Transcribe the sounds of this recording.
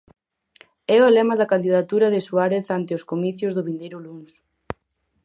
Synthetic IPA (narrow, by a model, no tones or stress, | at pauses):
ɛoalɛmɐðɐkand̪iðat̪uɾɐðɪsuaɾeθant̪eoskomiθjʊzðʊβind̪ejɾʊlums